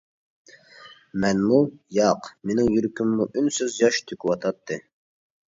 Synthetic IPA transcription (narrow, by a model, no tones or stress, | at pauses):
mɛnmujɑqmenɪŋjyɾkʲʰymːuʔynsøzjɑʃt̪ʰøkʲywɑt̪ʰɑt̪ʰːɨ